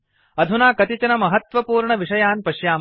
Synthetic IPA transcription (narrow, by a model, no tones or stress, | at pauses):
ɐd̪ʱunaːkɐt̪it͡ʃɐnɐmɐɦɐt̪ʋɐpuːɾɳɐʋiʂɐjaːnpɐʃjaː